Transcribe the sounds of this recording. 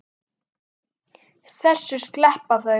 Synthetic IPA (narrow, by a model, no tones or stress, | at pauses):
θɛsːʏɾ̥sklɛhpaθœ